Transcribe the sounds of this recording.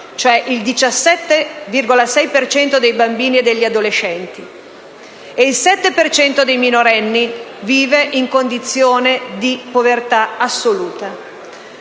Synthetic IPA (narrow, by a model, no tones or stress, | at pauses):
t͡ʃoɛʔild̪it͡ʃasːɛt̪ːevirɡolasɛjpert͡ʃɛnt̪od̪ejbambiːnied̪ːeʎːiad̪olet͡ʃːɛnt̪i | eilsɛt̪ːepert͡ʃɛnt̪od̪ejminoɾɛnːiviːveʔiŋkond̪it̪sːjoːned̪ipovert̪aasːoluːt̪a